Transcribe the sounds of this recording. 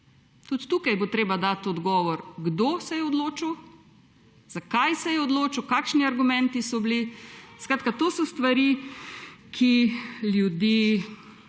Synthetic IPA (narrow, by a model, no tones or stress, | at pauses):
t̪ut̪t̪uːkajbot̪ɾeːbad̪aːt̪ɔd̪ɡɔːʋɔɾɡd̪osɛjɛɔd̪loːt͡ʃuw | z̥akajsɛjɛɔd̪loːt͡ʃuwkaːkʃniaɾɡumɛnt̪isɔbliskɾaːt̪̚kat̪oːsɔst̪ʋaɾi | kʰiljud̪iː